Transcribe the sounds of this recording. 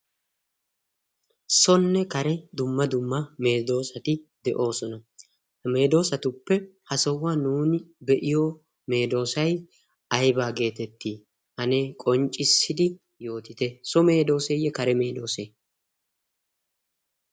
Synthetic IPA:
sɔnːɛkɐɾɛd̪ʊmːɐd̪ʊmːɐme̞ːd̪o̞ːsɐt̪ɪd̪ɛʔo̞ːsɔnɐ | me̞ːd̪o̞ːsɐt̪ʊpːɛhɐsɔwːaːnuːnɪbɛʔɪjo | me̞ːd̪o̞ːsɐj | ɐjbaːɡe̞ːt̪ɛt̪ːiː | hɐnekʼɔnt͡ʃʼːɪsːɪd̪ɪ | jo̞ːt̪ɪt̪ɛsɔme̞ːd̪o̞ːsɛjːɛkɐɾɛme̞ːd̪o̞ːseː

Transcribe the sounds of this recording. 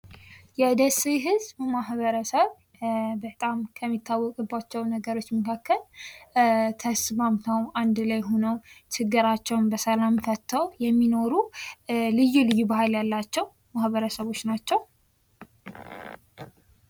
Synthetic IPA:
jɛd̪əsijɦɨzbəmaɦβəɾəsəβ | bət̪ʼamkʰəmːit̪ːawːɔkʼɨbːat͡ʃːɛwnəɡəɾo̞t͡ʃːməkʰakːəl | t̪ʰəsmamt̪ʰawand̪lajɦonəwt͡ʃʰɨɡːɨɾat͡ʃːɛwnbəsəlamfət̪ʰːəwjɛmːino̞ɾu | lɨjulɨjːubaɦaljalːat͡ʃːɛw | mahβəɾəsəβo̞t͡ʃːnat͡ʃːɛw

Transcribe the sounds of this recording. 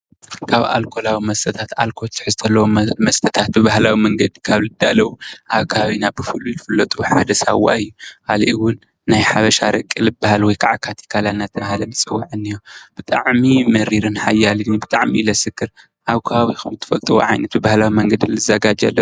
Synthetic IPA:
kʰaβa̰lkʰo̞lawimɐst̪ʰɐt̪ʰat̪alkʰot͡ʃ̪ʰɨ̥ħɨzt̪ʰɐlːɐwomɐst̪ʰɐt̪ʰat̪̚bɨβahlawimɐŋɡɐd̪ikʰaβlɨd̪alɐwuʔaβkʰaaβinabɨfɨlulɨfɨlːɐt̪ʼuħad̪ɐsa̰wːa̰ɨjːukʰaliʔɨwʊnː | ajħaβɐʃaɾɐkʼːilɨbahalwɔjkʰaʕakʰat̪ʰi̥kʰalanːat̪ʰːɐmahalɐnɨsʼɨwːaʕɨnːijob̥ɨt̪ʼa̰ʕmimɐɾiɾɨnħajalɨɡnibɨt̪ʼaʕmilɐsɨkːɨɾ | ʔaβkʰɐβaβixʰɐmɨt̪ʰːɨ̥fɐlt̪ʼɨwo̰ʕa̰jnɐt̪̚bɨβahlawimɐŋɡɐd̪ilɨzɐɡad͡ʒa̰lːɐ

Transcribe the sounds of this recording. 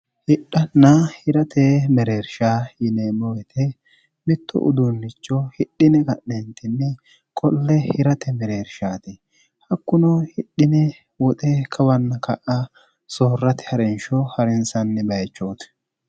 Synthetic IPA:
hɪɗːɐnːɐhɪɾɐt̪ʰɛmɛɾeːɾʃaːjɪneːmɔwɛt̪ʰɛ | mɪt̪ːɔ̰ʔʊ̰d̪ʊnːɪt͡ʃːɔhɪɗːɪnɛkɐʔːɛnt̪ɪnːɛ | kʼɔlːɛhɪɾɐt̪ɛmɛɾeːɾʃaːt̪ɪ | hɐkːʊnɔhɪɗːɪnɛ | wɔt̪ʼɛkʰɐwɐnːɐkɐʔɐ | soːrːɐt̪ɪ̥hɐɾɛnʃɔhɐɾɪnsɐnːɛbɐjt͡ʃːoːt̪

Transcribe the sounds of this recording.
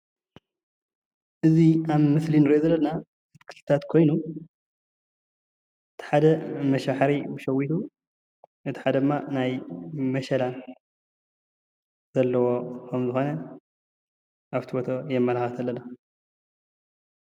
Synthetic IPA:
ʔɨziaβmɨslinɨɾiʔozɐlːɐna | ɨt̪ʰkʰɨ̥lt̪ɨt̪ʰat̪kʰo̞jnu | ɨt̪ʰi̥ħad̪ɐmɐʃaħɾibuʃɐwit̪u | ʔɨt̪ʰi̥ħad̪ɐd̪ɨmːanajmɐʃɐlan | z̥ɐlːɐwo̞kʰɐmzɨxo̞nɐ | ʔaβt̪ʰibot̪ʰojɛmːɐlaxat̪ʰɐlːɐna

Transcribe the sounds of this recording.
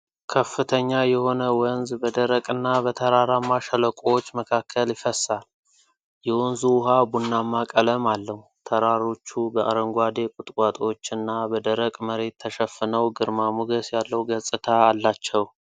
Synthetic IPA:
kʰəfːɨt̪ʰəɲːajɛho̞nəwənzbəd̪əɾəkʼɨnːaβət̪ʰəɾaɾamːaʃələkʼowot͡ʃːməkʰakʰːəljɪfəsal | jɛwɔnzuʊɦabunːamːakʼələmalːəht̪ʰəɾaɾo̞t͡ʃːubəʔa̰ɾəŋɡʷad̪e̞kʼʊt̪ʼkʼat̪ʼo̞t͡ʃːɨnːabəd̪əɾəkʼməɾe̞t̪ʰːəʃəfɨnəwɡɨɾmamuɡəsjalːəwɡəsʼɨt̪ʰaːlːat͡ʃːɛw

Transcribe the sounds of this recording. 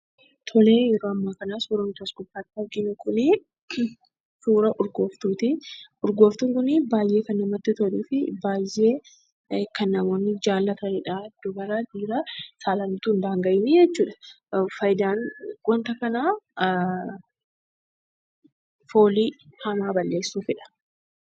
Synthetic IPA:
t̪ʰɔle̞ːjɛɾoːɐmːaːkɐnaːsuːɾɐnt̪ɐskʊfːaːt̪ːɪɐɾɡɪnʊkʰʊnɪ | suːɾɐʔʊɾɡo̞ːft̪uːt̪ɪʊɾɡo̞ːft̪ʊŋkʊnɪbaːjːe̞ːkɐnːɐmɐt̪ːɪt̪ɔliːfɪbaːjːe̞ː | kɐnːɐmo̞ːnːɪd͡ʒaːlːɐt̪ɐnɪᶑaːd̪̥ʊbɐɾad̪iːɾɐsaːlɐnt̪uːnd̪aːŋɡɐʔɪnɪd͡ʒɛt͡ʃːuːᶑɐ̥ | fɐjd̪aːnɡɔnt̪ɐkɐnaː | fo̞ːliːhɐmaːbɐlːe̞ːsːuːfɪᶑɐ̥

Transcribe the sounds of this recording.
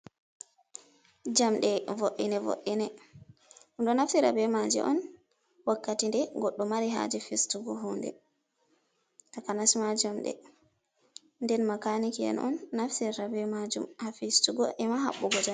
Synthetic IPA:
d͡ʒamɗɛvoʔːinɛvo̰ʔinɛ | unɗɔnafsiɾa̰bɛmad͡ʒḭʔɔ̰n | wakːatindɛɡɔɗːumaɾiɦa̰d͡ʒifistuɡɔɦundɛ̰ | takanasimad͡ʒamɗɛ̰ | ndɛnmakanikiɛ̰nɔ̰nːafsiɾabɛmad͡ʒumhafistuɡɔʔɛmaɦa̰ɓːuɡɔd͡ʒa

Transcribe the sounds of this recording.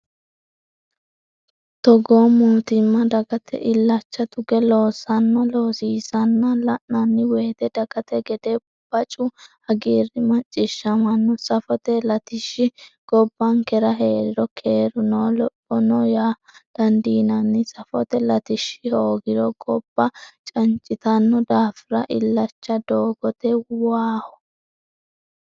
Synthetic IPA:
t̪ɔɡoːmuːt̪ɪmːɐd̪ɐɡɐt̪ʰɛ̰ʔɪlːɐt͡ʃːɐt̪ʊɡɛlo̞ːsɐnːɐlo̞ːsiːsɐnːɐlɐʔnɐnːɪweːt̪ɛd̪ɐɡ̥ɐt̪ɛɡɛd̪e | b̥ɐt͡ʃʼʊhɐɡiːrːɪmɐt͡ʃʼːɪʃːɐmɐnːɔsɐfɔt̪ɛlɐt̪ɪʃːɪɡ̥ɔbːɐnkɛɾɐɦe̞ːɾɪɾɔkʰe̞ːɾʊnoːlɔpʼːɔnɔjaːd̪̥ɐnd̪iːnɐnːɪsɐfɔt̪ɛlɐt̪ɪʃːɪhoːɡɪɾɔɡɔb̥ːɐt͡ʃʼɐnt͡ʃʼɪt̪ɐnːɔd̪aːfɪɾɐʔɪlːɐt͡ʃːɐd̪oːɡɔt̪ɛwaːhɔ

